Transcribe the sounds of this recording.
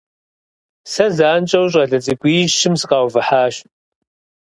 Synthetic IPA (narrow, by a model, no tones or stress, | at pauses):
sɐzaːnt͡ʃʼɐwɕ̬ʼɐɮɐt͡sʼɨɡʷiːʒʃɪmsɨqɑːwvɨħaːʃ